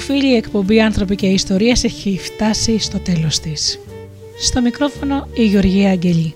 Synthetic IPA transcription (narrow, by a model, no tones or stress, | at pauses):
ofiʎiːe̞kpo̞mbiɐnθɾo̞pice̞ist̪o̞ɾiɐse̞çift̪ɐsist̪o̞t̪e̞lo̞st̪is | st̪o̞mikɾo̞fo̞no̞iʝeo̞ɾʝiɐːɲɟe̞ʎi